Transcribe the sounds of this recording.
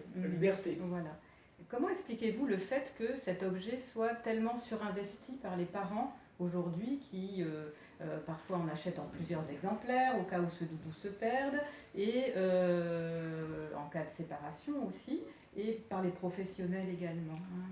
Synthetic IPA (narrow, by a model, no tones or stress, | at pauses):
ibɛʁt̪evwala | kɔmɑ̃ɛksplikʲevuləfɛt̪kəsɛt̪ɔbʒɛswat̪ɛlmɑ̃syʁɛ̃vɛst̪ʰipaʁlepaʁɑ̃ | oʒuʁd̪ɥikʲʰiø | øpaʁfwaɑ̃naʃɛt̪ɑ̃plyzjœʁzɛɡzɑ̃plɛʁokausəd̪ud̪usəpɛʁd̪eø | ɑ̰̃kad̪əsepaʁasjɔ̃osi | epaʁlepχɔfɛsjɔnɛleɡalmɑ̃